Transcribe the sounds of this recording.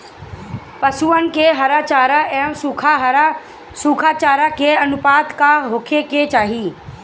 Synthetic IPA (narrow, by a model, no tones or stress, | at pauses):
pɐsuən̆keɦɐɾaːt͡ʃaːɾaɛːmsukʰa | suːkʰaːt͡ʃaːɾakeɐnʊpaːt̪kaɦʊkʰeket͡ʃaːɦiː